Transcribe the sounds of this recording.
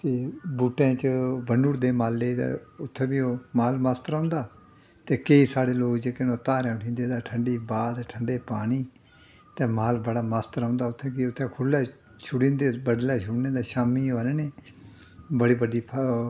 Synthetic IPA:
t̪eːbuːʈːẽːt͡ʃəbənuːɾd̪eːmaːlːed̪a̰ːʊt̪ʰːẽːbiːoːmaːlmast̪ɾãːnd̪aː | t̪eːkeiːsaːɽeːloːkd͡ʒeːkenõːt̪aːɾãːʊʈʰĩːnd̪eːd̪aːʈʰəɳɖiːbaːd̪ʈʰəɳɖeːpaːɽ̃iː | t̪ɛ̃ːmaːlbəɽaːmast̪əɾãːnd̪aːʊt̪ʰːẽːkiʊt̪ʰːẽːkʰʊlːɛː | t͡ʃʰʊɽĩːnd̪eːbəɖlɛːʃʰʊɽnẽːd̪aːʃaːmiːoːneːneː | bəɽiːbəɖiːpʰ

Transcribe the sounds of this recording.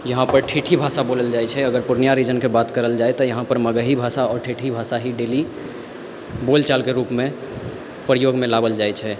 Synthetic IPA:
jəɦãpəɾʈʰiʈʰibʱasaboləld͡ʒaɛt͡ʃʰɛəɡəɾpuɾnijaɾid͡ʒənkebat̪kəɾəld͡ʒaet̪ɔjəɦãpəɾməɡəɦibʱasaɔːɾʈʰiʈʰibʱasaɦiɖeli | bolt͡ʃalkeɾupmẽ | pɾəjoɡmẽlabəld͡ʒaɛt͡ʃʰɛ

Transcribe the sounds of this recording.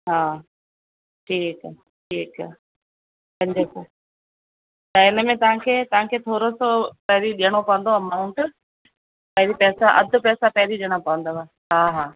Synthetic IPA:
ɦaː | ʈʰiːk | ʈʰiːkː | kɐ̃ɲd͡ʑɐko | t̪ɐɪnəmẽt̪ɐʋ̤ãkʰeːt̪ɐʋ̤ãkʰeːt̪ʰoːɾosopɐɦɾiɗijəɽ̃opɐʋə̃nd̪oaːmaũʈɪ | pɐɦɪɾipɛːsaʔɐd̪ʱʊ̆pɛːsapɐɦɪɾiɗiəɽ̃opɐʋə̃n̆d̪oaː | ɦaːɦaː

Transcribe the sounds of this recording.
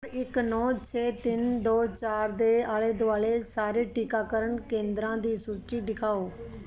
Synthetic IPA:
ɾɪknɔːt͡ʃʰeːt̪ɪnd̪oːt͡ʃaːɾd̪eːaːleːd̪ʊaːleːsaːɾeːʈiːkaːkəɾəɳkẽːnd̪ɾãːd̪iːsuːt͡ʃiːd̪ɪkʰaːoː

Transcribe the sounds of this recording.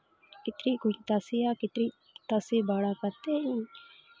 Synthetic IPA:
kɪt̪ɾiːkʊt̪asijaːkɪt̪ɾiː | t̪asiːbaːɽaːkɐt̪ei

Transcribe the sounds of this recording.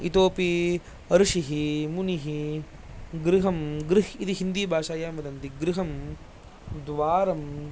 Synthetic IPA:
ḭt̪oːpi | ɐɾuʂiɦimuniɦi | ɡɾiɦɐmɡɾiɦid̪iɦind̪iːbʱaːʂaːjaːmɐd̪ɐnt̪iɡɾiɦɐm | d̪ʋaːɾɐm

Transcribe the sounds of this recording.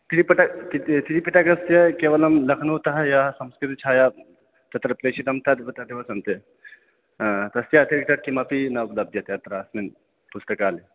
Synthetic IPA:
t̪ʰiɾipɐʈakit̪ʰiɾipiʈakɐst̪jɐkeːʋɐlɐmlɐkʰnut̪ɐɦɐjasɐmskɾit̪it͡ʃʰaːja | t̪ɐt̪ɾɐpɾeːʃid̪ɐmt̪ʰɐd̪bɐt̪ad̪eʋɐsɐnt̪e | t̪ɐst̪jɐɐt̪ʰiɾk̚ʈɐʈ̚kimɐpinɐblɐb̚d̪jɐt̪eɐt̪ɾasmin | pust̪ɐkaːle

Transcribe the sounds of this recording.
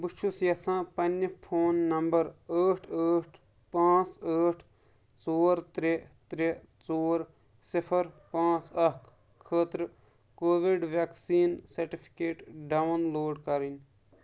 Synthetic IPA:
but͡ʃʰusjɐsãːpɐnːəpʰoːnːɐmbɐɾəːʈʰəːʈʰ | pãːt͡səːʈʰ | t͡soːɾt̪ɾet̪ɾe | t͡soːɾ | sipʰəɾpãːt͡sɐkʰ | kʰːəːt̪ɾ | koːʋiɖʋaːksiːnsɐɾʈipʰi̥keːʈɖawnloːɖkɐɾin

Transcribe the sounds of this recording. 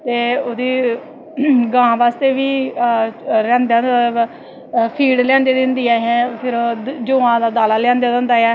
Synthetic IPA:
t̪eːod̪iː | ɡãːʋaːst̪eːʋiː | ɾɛ̃ːnd̪a | pʰiːɖlɛ̃ːnd̪eːd̪ɪ̃nd̪iːɛːɦɛːpʰɪɾd͡ʒõːãːd̪aːd̪aːlaːlɛ̃ːnd̪eːd̪ə̃nd̪aːjɛː

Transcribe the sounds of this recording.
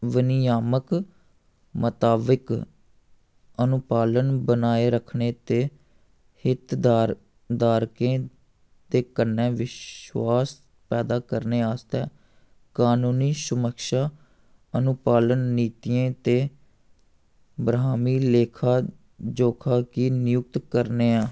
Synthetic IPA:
ʋəniaːmək | mət̪aːbɪk | ənʊpaːlənbənaːeːɾəkʰɳeːt̪eː | hɪt̪ː | d̪aːɾkẽː | d̪eːkənːɛ̃ːʋɪʃwaːs | pɛːd̪aːkəɾneːaːst̪ɛ̰ː | kaːnuːniːsʊməkʃaː | ənʊpaːlənːiːt̪ijẽːt̪eː | bɾaːmiːleːkʰaː | d͡ʒoːkʰaːkiːnɪjʊk̚t̪kəɾneːaː

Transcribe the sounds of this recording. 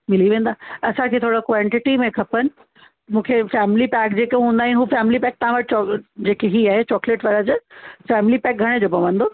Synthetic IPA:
mɪliʋẽːn̆d̪aːɐsãkʰeːt̪ʰoːɽokʋãɳʈɪʈimẽkʰɐpənɪ̆ | mũːkʰefɛːmɪlipɛːkd͡ʑeːkeɦũːnd̪aːɦɪnɪɦuːfɛːmɪlipɛːk̚t̪ɐɦãʋɐʈ̚ʰt͡ɕɔd͡ʑeːkeɦiaːɦet͡ɕɔːkleʈʋaːɾəd͡ʑəfɛːmɪlipɛːk̚ɡʱɐɽ̃ed͡ʑoːpɐʋə̃nd̪oː

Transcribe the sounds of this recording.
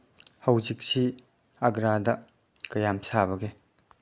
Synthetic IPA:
hɐwzik̚si | ɐɡɾadɐ | kɐjamsabɐɡe

